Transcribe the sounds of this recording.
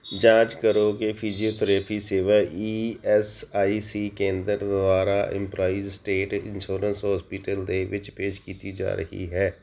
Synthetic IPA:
d͡ʒãːt͡ʃkəɾoːkepʰiːd͡ʒioːt̪ʰəɾɛːpʰiseːʋaːiːɛsaːisiːkẽːnd̪əɾd̪aːɾaːʔɪ̰̃mplaːiːzsʈeːʈɪ̰̃nʃoːɾənsɦɔːspɪːʈəld̪eːʋɪt͡ʃpeːʃkiːt̪id͡ʒa̰ːɾə̰ɦḭɦɛː

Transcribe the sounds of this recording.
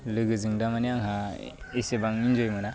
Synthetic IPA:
lɯɡɯzɯŋdamanijaŋɦa | isebaŋind͡ʒojmana

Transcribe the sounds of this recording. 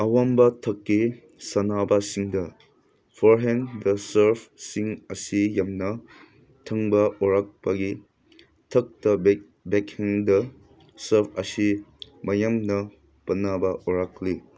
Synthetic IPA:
ɐwambɐtʰɐkːi | sɐnabɐsiŋdɐ | pʰɔɾɦɛndɐsɐɾpʰsiŋɐsijamnɐ | tʰɐŋbɐɔɾak̚paɡi | tʰɐk̚tɐb | bekʰɛŋdɐ | sɐɾpʰɐsimɐjamnɐ | pɐnabɐʔɔɾakli

